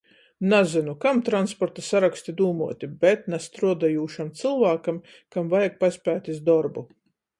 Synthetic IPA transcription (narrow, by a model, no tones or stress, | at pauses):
nazinukamt̪ɾanspɔɾt̪asaɾakst̪id̪uːmuɔt̪ʲibɛt̪nast̪ɾuɔd̪ajuːʃamt̪sɨlˠvaːkam | kamvajaɡ̚pasʲpʲæːt̪ʲizd̪ɔɾbu